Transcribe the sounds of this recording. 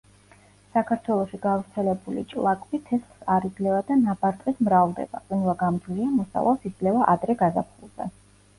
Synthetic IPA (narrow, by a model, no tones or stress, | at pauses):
sakʰaɾt̪ʰwɛlˠɔʃiɡavɾt̪sʰɛlɛbulḭt͡ʃʼlˠakʼbit̪ʰɛslˠsaɾid̪zlɛvad̪anabaɾt̪ʼqʼismɾavlˠd̪ɛ̰b̥a̰qʼinvaɡamd̪zliamɔsa̰va̰lˠsid̪zlɛvaʔad̪ɾɛɡaza̰pʰṵlˠz̥ɛ̰